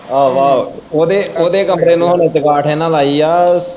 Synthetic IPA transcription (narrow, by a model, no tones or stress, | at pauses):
aːʋaːooːd̪eːoːd̪eːkəmpɾeːnũːɦoɳət͡ʃəkaːʈʰɛːnãːlaːiːaː